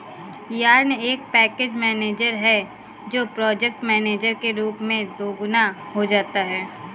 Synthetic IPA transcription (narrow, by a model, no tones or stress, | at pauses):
ijaːɾneːk̚pɛːkeːd͡ʒmɛːneːd͡ʒəɾɦɛ | d͡ʒoːpɾɔːd͡ʒɛk̚ʈmɛːneːd͡ʒəɾkeɾuːpmẽd̪oːɡʊna | ɦod͡ʒaːt̪aɦɛː